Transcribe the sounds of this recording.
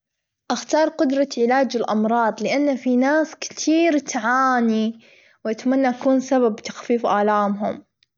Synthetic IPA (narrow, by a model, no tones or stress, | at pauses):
ʔaxt̪ɑːɾˤqʊd̪ɾˤɑʕɪlaːd͡ʒɪlʔɑmɾˤɑːd̪ˤlɪʔanːafinaːskt̪ʰiːɾt̪ʕaːni | wʔat̪manːaʔakuːnsaβabt̪ḁxfiːfʔaːlaːmɦʊ̰m